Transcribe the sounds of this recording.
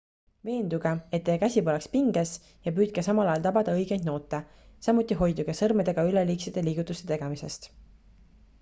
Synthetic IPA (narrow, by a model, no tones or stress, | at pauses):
ve̞ːnd̪uɡ̥ee̞t̪ːeːkæsʲibo̞lekspiŋɡes | jɑpyːt̪̚kesɑmɑlɑjɑlt̪ɑbɑd̪̥ɑɤjɡ̥ejd̪̥no̞ːt̪ːˑe | sɑmːut̪ːˑiɦo̞jd̪uɡ̥esɤrmed̪e̞ɡ̥ɑyleliːkset̪ːe̞liːɡ̥ut̪ːˑust̪e̞t̪e̞ɡ̥emise̞st̪